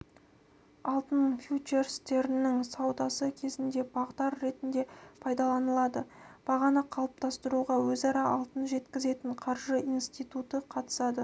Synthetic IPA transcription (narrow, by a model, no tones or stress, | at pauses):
ɑlˠt̪ənfjut͡ʃe̞ɾst̪e̞ɾɪnɪŋsɑwd̪ɑsəkʲʰe̞zɪnd̪e̞bɑʁt̪ɑɾːe̞t̪ɪnd̪e̞pʰɑjd̪ɑlˠɑnəlˠɑd̪əb̥ɑʁɑnəqʰɑlˠəp̚t̪ɑst̪əɾuʁɑwɵzɑɾɑʔɑlˠt̪ənʒe̞t̪kʲɪze̞t̪ɪɴqʰɑɾʒəijnst̪ijt̪ut̪əqʰɑt̪ə̥sɑd̪ə